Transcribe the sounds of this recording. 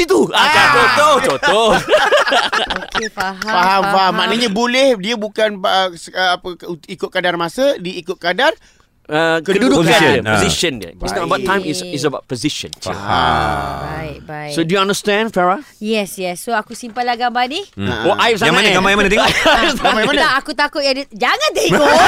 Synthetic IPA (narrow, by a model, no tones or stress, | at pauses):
it̪uatat̪ot̪ohot̪o | kfaɦfaɦamfaɦamːaʔnəɲãbolɛhdiəbukanəsəpəikʊt̪̚kadarmãsədiːkʊt̪̚kadar | əkədudʊkaiəoziʃəndiə̰isnɔtəbat̪ːãj̃misis̬əbat̪̚poziʃə̰̃n̰a̰baibajsodujuãndəstɛ̃ndfɛɹa | jɛsjɛsːoakusimpalahɡambania̰oʔaip̚s̬ajamanəɡambajaŋmanət̪eɔɡãmbajamanəaakut̪akʊt̪̚jadd͡ʒaŋãnt̪eiŋɔ